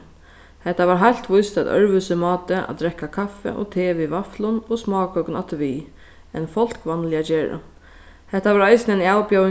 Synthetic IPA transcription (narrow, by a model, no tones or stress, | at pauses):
hɛht̪ːavaɾɦajl̥t̪ʋʊjst̪at̪œ̰ɹvʏsɪmɑːt̪ɪʔa̰d̪ɾɛkːakʰafɛ̰ʔɔ̰t̪ʰeːʋivaflʊnɔsmɑːkœwkna̰t̪vi | ɛ̰nfɔl̥kʋanlɪat͡ɕeːɹa̰ | hɛht̪ːavaɾajsnɛnawpjaw